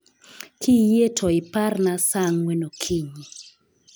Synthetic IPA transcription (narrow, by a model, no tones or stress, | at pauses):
kijetʰɔɪparnasaŋwɛnokʰiɲi